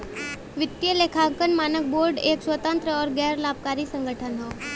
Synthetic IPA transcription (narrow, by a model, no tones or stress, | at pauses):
ʋɪt̪ːjəlekʰakənmaːnək̚boːɾɖeːkswət̪ə̃nt̪ɾəɔːɾɡɛːɾlaːb̚kaːɾisə̃ŋɡəʈʰənɦoː